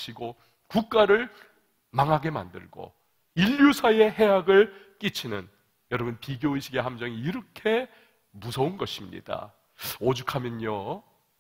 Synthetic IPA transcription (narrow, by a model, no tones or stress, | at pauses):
ɕʰiɡo | kuk̚k͈aɾɯɭ | maŋɦaɡe̞ma̰ndɯ̰ɭɡo̰ | iʎːjusʰae̞ɦe̞ɦaɡɯɭ | k͈it͡ɕʰinɯn | jʌɾʌbunpiɡjoiɕʰiɡe̞ɦamd͡ʑʌŋiːɾʌkʰe̞ | musʰʌunɡʌɕʰimɲḭd̥a̰ | od͡ʑukʰamjʌɲo